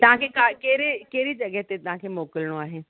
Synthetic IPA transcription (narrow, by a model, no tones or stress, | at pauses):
t̪ɐɦãkʰekaːkeːɾekeːɾid͡ʒɐɡəɦt̪et̪ɐɦãkʰemoːkəlɽ̃õaːɦeː